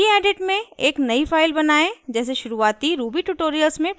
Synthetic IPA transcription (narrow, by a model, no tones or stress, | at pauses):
iɛːɖeʈmẽeːknɐifʰaːɪlbɐnaːed͡ʒɛːs̬eʃʊɾuaːt̪iɾuːbiʈuʈoːɾijəlsmẽ